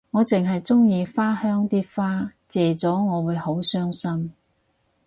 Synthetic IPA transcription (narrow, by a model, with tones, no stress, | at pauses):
ŋɔː˨˧t͡sɪ˨ŋɦɐ˨jt͡sʊ˥ŋjiː˨˧faː˥hœː˥ŋt̪iː˥faː˥t͡sɛː˨˩t͡sɔː˨˥ŋɔː˨˧wuː˨˧jho˨˥wsœː˥ŋsɐ˥m